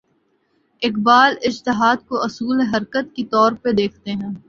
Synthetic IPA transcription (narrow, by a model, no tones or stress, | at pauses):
ɪkbaːlɪd͡ʒt̪ɪɦaːd̪koʔɐsuːleɦɐɾkət̪̚kit̪ɔːɾped̪eːkʰt̪eɦɛ̃ː